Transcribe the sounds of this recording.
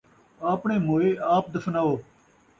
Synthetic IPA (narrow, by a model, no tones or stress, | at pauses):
aːpɳeːmoːeːaːp̚d̪əfnaːoː